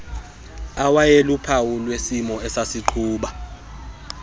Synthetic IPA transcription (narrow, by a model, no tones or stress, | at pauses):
awajelupʰawulwesimɔɛsasiǃʰuːɓa